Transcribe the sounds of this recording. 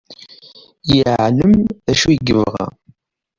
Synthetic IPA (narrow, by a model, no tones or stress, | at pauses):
jəʕləmðæʃujɡəvʁa̰